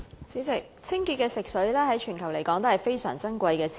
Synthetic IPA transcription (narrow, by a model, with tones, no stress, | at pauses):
t͡siː˨˥t͡sɪ˨k̚t͡sʰɪ˥ŋki˧t̚kɛː˧sɪ˨k̚sɵ˨˥ɥlɛː˥ɦɐ˨˥jt͡ʃʰyː˨˩nkʰɐ˨˩wle˨˩jkɔː˨˥ŋt̪o˥hɐ˨˩jfe˥jsœ̰ː˨˩ŋt͡sɐ˥nkʷɐ˧jkɛː˧t͡sʰ